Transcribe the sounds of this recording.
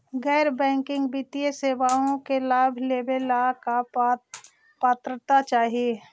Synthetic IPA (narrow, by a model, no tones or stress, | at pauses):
ɡɛːɾbɛ̃ːŋkɪ̃ŋɡbit̪ijeseːʋaːõkelaːbʱleːbelaka | paːt̪ɾət̪at͡ʃaːɦie